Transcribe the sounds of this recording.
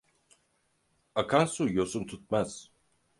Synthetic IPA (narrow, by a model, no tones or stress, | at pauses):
akʰansujosumt̪ʰut̪̚maz̥